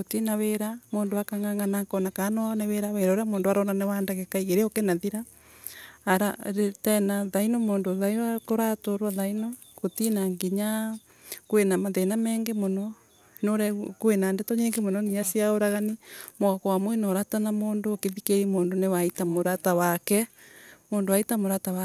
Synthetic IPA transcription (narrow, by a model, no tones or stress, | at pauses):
kotinaweɾamoːndoakaŋaŋɡanakɔnakanɔneweɾaweɾaoɾeamoːndoaɾɔnanewandaɣɛkaiɣeɾeokenaðiɾaː | ɾaɾetɛnaðainomoːndoðaiakoɾatoɾwaðainɔ | kotinaŋɡiɲa | kwenamaðenamɛːŋɡemonɔ | noɾɛkwenandɛtɔɲeːŋɡemonɔniasiaoɾaɣanimoɣakwamwenɔɾatanamoːndokeðikeɾimoːndonewaitamoɾatawakɛmoːndowaitamoɾatawa